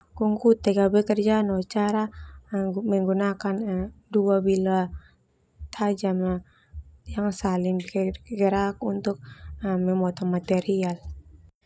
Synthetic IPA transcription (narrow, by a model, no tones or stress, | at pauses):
kuŋkut̪ɛɡabɛkərd͡ʒanɔt͡ʃaɾa | mɛŋɡunakanduabila | t̪ʰad͡ʒama | jaŋsalimkɛɡɛɾak̚unt̪uk̚mɛmɔt̪ɔmat̪ɛɾial